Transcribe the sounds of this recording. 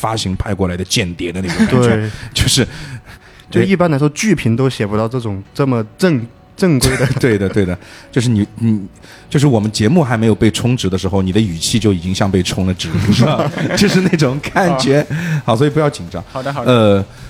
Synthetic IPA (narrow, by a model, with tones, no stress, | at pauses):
fa˥ɕi˧˥ŋpʰa˥˧ɪkwɔ˥˩la˧˥ɪd̪ə˧t͡ɕjɛ˥˩nt̪jɛ˧˥d̪ə˧a˥˩ʊ˨˩t̪we˥˩ɛ˥t͡ɕjo˥˧ʊʂɻ̩˥˧ | t͡ɕjo˥˧i˥˩pa˥nla˧˥ɪʂwɔ˥t͡ɕy˥˩pʰi˧˥nt̪o˥ʊɕjɛ˨˩pu˧˥t̪ɑ˥˧ʊʈ͡ʂɤ˥˩ʈ͡ʂʊ˨˩ŋʈ͡ʂɤ˥˩mə˩ʈ͡ʂə˥˧ŋ | ʈ͡ʂɤ˥˩ŋkwe˥ɪd̪ə˧t̪we˥˩ɪd̪ə˩t̪we˥˩ɪd̪ə˩t͡ɕjo˥˧ʊʂ̬ɻ̩˥˩ni˨˩ni˧˩ | t͡ɕjo˥˧ʊʂ̬ɻ̩˥˩wɔ˨˩mə˦nt͡ɕjɛ˧˥mu˥˩xa˧˥ɪme˧˥ɪjo˨˩pe˥˩ɪʈ͡ʂʰʊ˥ŋʈ͡ʂɻ̩˧˥d̪ə˧ʂɻ̩˧˥xo˧ʊni˨˩d̪ə˦y˨˩t͡ɕʰi˥˧t͡ɕjo˥˩ʊi˨˩t͡ɕi˥ŋɕjɑ˥˧ŋpe˥˩ɪʈ͡ʂʰʊ˥ŋlə˨ʈ͡ʂɻ̩˧˥˧t͡ɕjo˥˧ʊʂɻ̩˥˧na˥˩ɪʈ͡ʂʊ˨˩ŋkʰa˥˩nt͡ɕɥɛ˧˥xɑ˧˥ʊswɔ˧˥i˨˩p̬jɑ˥˩ʊt͡ɕi˨˩nʈ͡ʂɑ˧˥ŋə˧